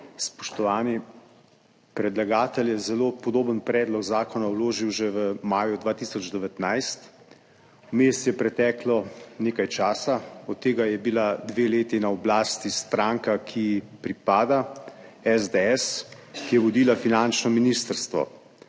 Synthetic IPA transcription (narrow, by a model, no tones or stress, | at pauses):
spɔ̥ʃt̪ɔʋaːni | pɾɛd̪laɡaːt̪əljɛzɛloːpɔd̪oːbənpɾɛːd̪lɔɡzaːkɔnawloːʒiwʒɛʋəmaːjud̪ʋaːt̪isɔd͡ʒd̪ɛʋɛt̪najst̪ | umest̪jɛpɾɛt̪ɛːklɔneːkajt͡ʃaːsaɔt̪ːeːɡajɛbilad̪ʋeːleːt̪inaɔblaːst̪ist̪ɾaŋkakʰipɾipaːd̪aɛzd̪eɛs | kijɛʋɔd̪iːlafinant͡ʃnɔminiːst̪əɾst̪ʋɔ̰